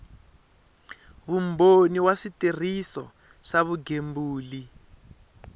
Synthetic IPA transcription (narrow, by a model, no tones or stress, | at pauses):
βumboniwaʂitir̤isɔ | ʂaβuɡembuːli